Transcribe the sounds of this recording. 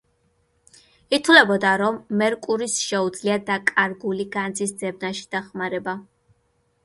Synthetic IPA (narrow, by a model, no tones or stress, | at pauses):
it̪ʰwlɛbɔd̪aɾɔmːɛɾkʼuɾisʃɛud̪zliad̪akʼaɾɡuliɡand̪zisd̪zɛb̚naʃi̥d̪̥aχmaɾɛba